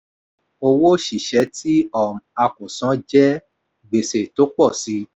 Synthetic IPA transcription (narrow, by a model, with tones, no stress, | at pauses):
o˧wo˦ʃi˨ʃɛ˨˦tʰi˦ɔ˦˨m˨a˧kũ˨sã˨˦d͡ʒɛ˦ | ɡ͡be˨se˨to˨˦k͡pɔ˦˨si˨˦